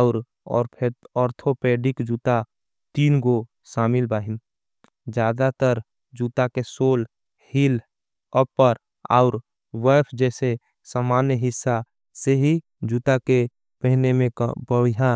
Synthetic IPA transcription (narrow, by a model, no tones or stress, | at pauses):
ʊɾ | ɔ̰ːɾpʰeɔːɾt̪ʰopeːɖɪkd͡ʒuːt̪a | t̪iːnɡo | ʃaːmɪlbaːɦɪn | d͡ʒjaːd̪at̪əɾ | d͡ʒuːt̪akesoːl | hil | əpːəɾ | a̰ʊɾ | wɛːpʰd͡ʒɛːse | saːmaːnjəɦɪsːa | seɦi | d͡ʒuːt̪ake | pɛɦnemḛ̃bəʋɪɦaː